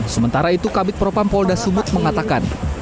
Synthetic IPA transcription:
səmənt̪aɾait̪ukabɪt̪̚pɾopampɔldasubʊt̪̚məŋat̪akan

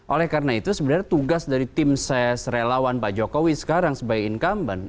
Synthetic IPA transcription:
ʔolɛhkarnait̪usəbənart̪uɡasdaɾit̪ɪmsɛsrelawanpad͡ʒokowisə̥kaɾaŋsəbajkɪnkamban

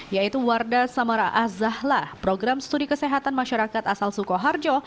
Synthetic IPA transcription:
jait̪uwardasamaɾaʔazahlahpɾoɡɾamst̪udikəseɦat̪anmaʃaɾakat̪asalsukɔɦard͡ʒɔ

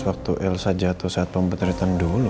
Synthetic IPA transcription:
wak̚t̪uʔɛlsad͡ʒat̪usaat̪̚pəmpət̪ɾit̪andulu

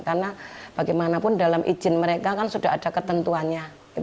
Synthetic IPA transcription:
karnab̥aɡajmanapʊndalamʔḭ̥d͡ʒ̥ɪnməɾekakansud̥aɦadakət̪ənt̪uanɲa | i

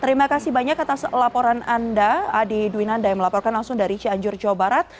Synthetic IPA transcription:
t̪əɾimakasibaɲakːat̪aslapɔɾanandaːdiduinandajaŋməlapɔrkanlaŋsʊŋdaɾit͡ʃiaɲd͡ʒʊrd͡ʒawabaɾat̪̚

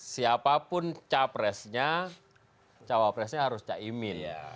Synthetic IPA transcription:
siapapʊnt͡ʃapɾɛsɲa | t͡ʃawapɾɛsɲaɦaɾʊst͡ʃaʔimɪl

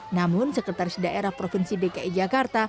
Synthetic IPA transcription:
namʊnsəkət̪arɪsdaʔeɾahpɾofinsidekaid͡ʒakart̪a

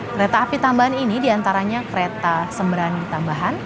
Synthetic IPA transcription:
kɾet̪aːpit̪ambaɦaninidiant̪aɾaɲakəɾet̪asəmbəɾanit̪ambaɦan

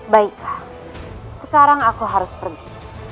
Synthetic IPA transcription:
baɪka | səkaɾaŋakuɦaɾʊspərɡi

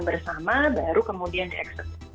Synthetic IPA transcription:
bərsamabaɾukəmodiandiʔɛ̰ksət̪̚

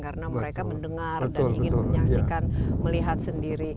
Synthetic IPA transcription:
karənaməɾekaməndəŋarbədtaʊlibəŋɪnt̪ʊlɲaksikanməliɦat̪̚səndiɾi

